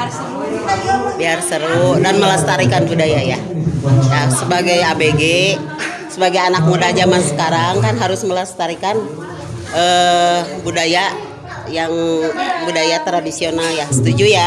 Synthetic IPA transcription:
biarsəɾudanməlast̪aɾikanbudajaja | jasəbaɡajabeɡe | səbaɡajanak̚mudad͡ʒamansə̥kaɾaŋkanɦaɾʊsməlast̪aɾikan | ə | budaja | jaŋbudajat̪ɾadisionaljasə̥t̪ud͡ʒuja

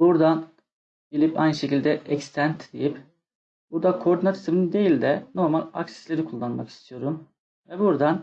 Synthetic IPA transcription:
buɾd̪an | bilʲipa̰jnɯʃe̞cilʲd̪ɛʔɛcst̪ʰænt̪ʰd̪ejip | buɾd̪akʰoɾd̪inat̪ʰisminind̪e̞jilʲd̪ɛno̞ɾmalʲa̰ksi̥slʲeɾikʰulˠːanmaki̥st̪ʰijo̞ɾum | vɛbuɾd̪an

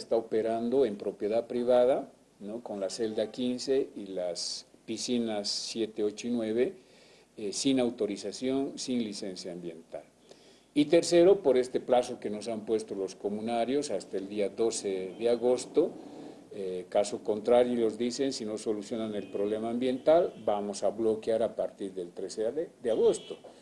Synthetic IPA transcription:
est̪aope̞ɾand̪oe̞mpɾo̞pje̞ðaðpɾiβ̞aða | noko̞nlase̞ld̪akinse̞ilaspisinasːje̞t̪eot͡ʃoinwe̞βe | sinawt̪o̞ɾisasjo̞nsinlise̞nsjaːmbje̞nt̪a̰l | it̪e̞ɾse̞ɾo̞po̞ɾe̞st̪e̞plaso̞ke̞no̞s̬ampwe̞st̪o̞lo̞sko̞mũnaɾjo̞sast̪aeld̪iaðo̞seðeaɣo̞st̪o | ekaso̞ko̞nt̪ɾaɾjolozðisensino̞so̞lusjo̞nane̞lpɾo̞βle̞maːmbje̞nt̪albamosaβlo̞kjaɾapaɾt̪iɾðe̞lt̪ɾesed̪eaɣo̞st̪o

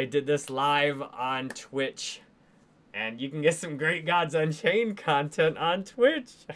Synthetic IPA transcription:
ɪdɨd̪̚ðɪslaɪṽntʰwɪt͡ʃ | ʔɨ̃njɨkn̩ɡɛtsʌ̃mɡɹeɪt̚ɡ̥ɑdz̃n̩t͡ʃʰẽɪ̃nkʰɑ̃ntʰɛ̃ntn̩tʰwɪt͡ʃ

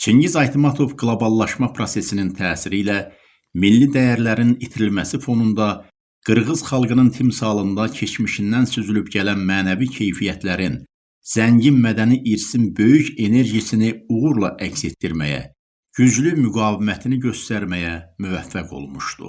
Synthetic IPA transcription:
t͡ʃʰiɲɟizɑjt̪ʰimɑt̪ʰo̞vɡlˠobɑlˠːɑʃmɑpʰɾo̞se̞sinint̪ʰæːsiɾilæ | milːid̪æjæɾlæɾinit̪ʰiɾilmæsifo̞nund̪ɑ | ɡ̥ɯɾʁɯz̥χɑlˠɡɯnɯnt̪ʰimsɑːlˠɯnd̪ɑcʰe̞t͡ʃʰmiʃind̪ænsyzylybɟælænmæːnævicʰe̞jfijæt̪ʰlæɾin | z̥æɲɟinmæd̪æniʔiɾsinbø̞jyce̞ne̞ɾɟisiniuʁuɾlˠɑʔæcse̞t̪ːiɾmæ̰jæ̰ | ɟ̥yd͡ʒlymyɡɑːvimæt̪ʰiniɟø̞st̪æɾmæjæmyvæfːæɡo̞̰lˠmuʃt̪ṵ

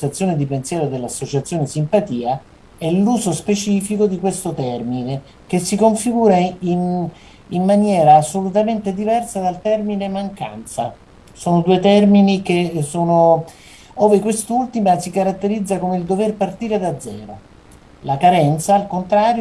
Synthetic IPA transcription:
at̪sːjoːned̪ipensjɛːɾod̪elːasːot͡ʃat̪sːjoːnesimpat̪iːa | ɛlːuːzospet͡ʃiːfikod̪ikwest̪ot̪ɛrmine | k̟esːikoɱfiɡuːɾain | imːanjɛːɾaːsːolut̪ament̪ed̪ivɛrsad̪alt̪ɛrminemaŋka̰nt̪sa̰ | soːnod̪uet̪ɛrminikesoːno | oːvekwest̪ult̪imasikaɾat̪ːeɾid̪zːakomeild̪overpart̪iːɾed̪ad̪zːɛ̰ːɾo | lakaɾɛnt̪saːlkont̪ɾaːɾj

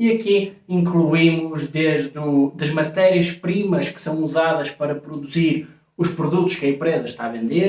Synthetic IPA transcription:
iɐki | ĩŋklˠuimuʒðeʒðud̪ɐʒmɐt̪ɛɾiɐʃpɾimɐʃkɨ̥sɐ̃w̃uzaðɐʃpɐɾɐpɾuðuziɾ | uʃpɾuðut̪uʃkɐẽmpɾezɐʃt̪aːvẽnd̪e

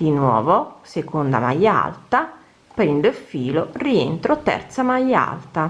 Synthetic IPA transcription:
d̪̥inwɔːvosekond̪a̰ma̰jːa̰lt̪a | pɾind̪ofiːloriḛnt̪ɾot̪ɛ̰rt̪samaja̰lt̪a

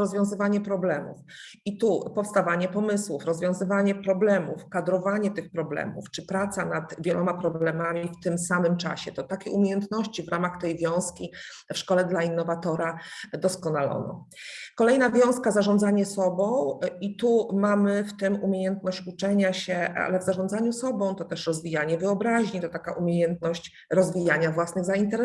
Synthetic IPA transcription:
ɔzvʲjɔ̃w̃zɘvaɲɛpɾɔblɛmṵf | it̪upɔfst̪avaɲɛpɔmɘswufɾɔzvjɔ̃w̃zɘvaɲɛpɾɔblɛmufkad̪ɾɔvaɲɛt̪ɘxpɾɔblɛ̰mṵft͡ʂɘpɾat̪sanat̪vʲjɛlʔɔmapɾɔblɛmamʲift̪ɘmsamɘmt͡ʂa̰ɕɛt̪ɔt̪akʲɛumʲjejɛnt̪nɔɕt͡ɕivɾʔamaxt̪ɛjvʲjɔ̃w̃skʲi | fʂkɔlɛd̪lainːɔvat̪ɔɾad̪ɔskɔnalɔ̰nɔ̰ | kɔlɛjnavʲjɔ̃w̃skazaʐɔ̃nd̪zaɲɛsɔbɔ̃w̃it̪umamɘft̪ɘmumʲjejɛnt̪nɔɕt͡ɕut͡ʂɛɲaɕɛa̰lɛvzaʐɔ̃nd̪zaɲusɔbɔ̃w̃t̪ɔt̪ɛʂɾɔzvʲijaɲɛvɘɔbɾaʑɲit̪ɔt̪akaʔumʲejɛnt̪̚nɔɕt͡ɕ | ɾɔzvʲijaɲavwasnɘɣzaint̪ɛɾɛ

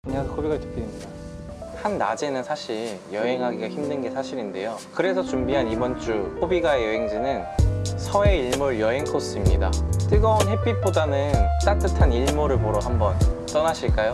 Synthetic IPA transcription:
aɲiasʰkʰobiɡat͡ɕi̥pʰiin | hanːad͡ʑe̞nɯnsʰaɕʰiɭjʌɦe̞ŋɦaɡiɡaçimdɯnɡe̞sʰaɕʰiɾinde̞̰jokɯɾe̞sʰʌt͡ɕumbiɦanibʌnt͡ɕ͈ukʰobiɡaejʌɦe̞ŋd͡ʑinɯnsʰʌe̞iɭmuɾjʌɦe̞ŋkʰos͈ɯmɲida̰t͈ɯɡʌunɦe̞p͈ip͈odanɯnk͈at͈ɯtʰaniɭmoɾɯɭpoɾoɦhambʌnt͈ʌnaɕʰiɭk͈ajo

